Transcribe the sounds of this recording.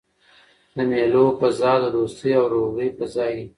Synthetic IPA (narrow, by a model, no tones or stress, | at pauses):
d̪əmelopəzɑd̪əd̪ost̪əjawɾoɣəjpəzɑji